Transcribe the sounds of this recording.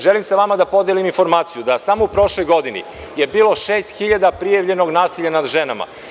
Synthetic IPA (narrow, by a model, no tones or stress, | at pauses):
ʒelimsaʋamad̪apo̞d̪eliminfo̞ɾmaːt̪sijud̪asamoupɾo̞ʃlo̞jɡo̞d̪inḭ | je̞biːlˠo̞ʃeːst̪xiʎad̪apɾijaʋʎe̞no̞ɡnaːsiʎanad̪ʒenama̰